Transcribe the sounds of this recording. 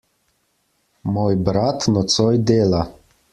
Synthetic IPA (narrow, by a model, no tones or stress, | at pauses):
moːjbɾat̪nɔt̪sɔjd̪eːla